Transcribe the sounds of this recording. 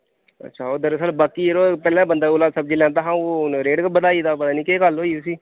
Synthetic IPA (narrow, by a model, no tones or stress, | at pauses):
ə̰tːʃʰaːoːd̪əɾsəːlbaːkiːɾoːpɛːlãːbənd̪aːʊlaːd̪səbd͡ʒiːlɛ̃ːd̪aːɦãːoːnɾeːɖkbəd̪aːiːd̪aːpət̪aːnĩːkeːkəlɦoːiːosiː